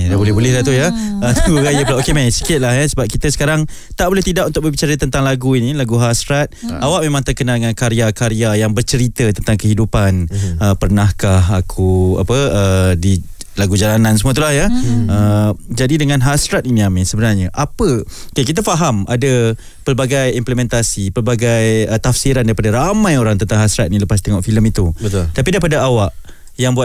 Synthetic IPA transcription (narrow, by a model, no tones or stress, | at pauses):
dabolɛɦbolɛhdat̪̬ujaət̪ʰɾajəpəlaʔokemajsi̥kɪt̪̚laɦjasəbap̚kit̪əsə̥kaɾaŋ | t̪aʔbolɛht̪idaʔunt̪ʊk̚bəbit͡ʃaɾət̪ənt̪aŋlaɡuinilaɡuɦasɾat̪̚awaʔ̚memãŋt̪ərkənadəŋankaɾiakaɾiajaŋbərt͡ʃəɾit̪ət̪ənt̪aŋkəɦidupanəpərnahkaɦakʰua̰pəədi | laɡud͡ʒalanãnsəmũat̪ulahjaəd͡ʒadidəŋãnɦasɾat̪̚ninĩamisəbənarɲəʔapəkəkit̪̬afaɦamʔa̰da | pərbaɡajimpləmɛ̃nt̪asipəlbaɡajət̪afsiɾandaɾipadaɾamãjoɾaŋt̪ənt̪aŋɦasɾat̪̚niləpast̪ɛŋɔʔfiləmit̪ubət̪ut̪apidaipadaawaʔ | jaŋbuat̪̚